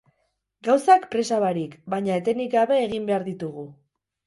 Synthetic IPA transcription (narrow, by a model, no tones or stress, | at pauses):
ɡawsakpɾe̞saβaɾikbaɲaet̪e̞nikaβe̞ːɣimbe̞aɾðit̪uɣ̞u